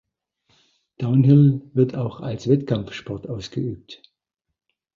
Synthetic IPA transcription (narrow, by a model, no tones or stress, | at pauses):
d̥aʊnɦɪlvɪɐtaʊxalsv̥ɛtkʰamfʃpɔɐtʔaʊsɡ̥əʔy̰ːp̚t